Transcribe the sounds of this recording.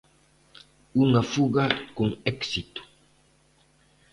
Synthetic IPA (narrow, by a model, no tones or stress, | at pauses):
unafuɣakoŋɛksit̪u̥